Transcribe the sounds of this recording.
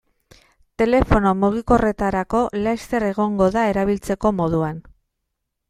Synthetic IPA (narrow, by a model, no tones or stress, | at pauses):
t̪e̞le̞fo̞no̞muɣ̞iko̞re̞t̪aɾako̞lajst̪e̞ɾe̞ɣ̞o̞ŋɡo̞ðae̞ɾaβ̞ilt͡se̞ko̞mo̞ð̞uan